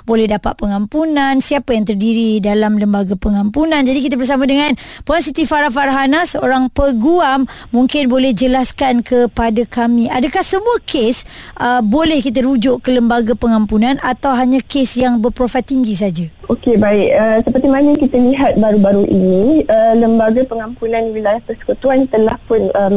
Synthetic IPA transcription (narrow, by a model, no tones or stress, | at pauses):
bolɛhdapa̰t̪̚pəŋampunansiapajaŋt̪ərdiɾidalamləmbaɡapəŋampunand͡ʒadik̬it̪̬abərs̬amãdəŋãnpuansit̪ifaɾafaɾɦanasəoɾaŋpəɡuamː | uŋkɪnbolɛhd͡ʒəlaskankʰəpadakamĩadakahsəmuəkʰesʔəbolɛhkit̪̬əɾud͡ʒʊʔkələmbaɡapəŋampunanʔat̪awɦaɲakesjaŋbərpɾofat̪ːiŋɡisad͡ʒaʔokebaɪʔ̚əsəpərt̪imanəaŋkit̪aliɦat̪̚baɾubaɾuʔḭniələmbaɡapəŋampunãnwilajahpəsə̥kut̪uant̪əlahpʊnəm